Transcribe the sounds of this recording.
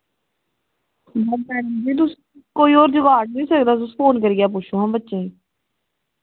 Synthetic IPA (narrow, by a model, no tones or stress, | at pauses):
bəɛːnəd͡ʒiːt̪̬ʊs | koːiːɔːɾd͡ʒʊɡaːʈ̚nĩːsəkd̪aːt̪ʊspʰoːnkəɾiːaːp̬ut͡ʃʰõːɦãːbətːʃẽː